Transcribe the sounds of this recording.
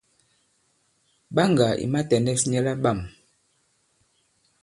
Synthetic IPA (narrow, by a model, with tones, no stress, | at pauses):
ɓa˦ŋɡa˨ʔḭ˨ma˦tɛ˨ndɛ˦sɲɛ˦la˦ba˦˨m